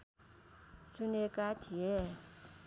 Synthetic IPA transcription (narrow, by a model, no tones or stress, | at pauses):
sunekat̪ʰie